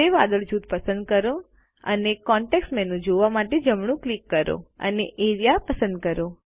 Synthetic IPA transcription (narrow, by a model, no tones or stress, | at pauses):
eʋad̪əɭd͡ʒut̪̚pəsə̃nd̪̚kəɾo | ə̰nekɔɳʈeksʈmɛnũd͡ʒoʋamaʈed͡ʒəmɳ̃ũklikːəɾo̰ə̰neʔeɾijapəsə̃nd̪̚kəɾo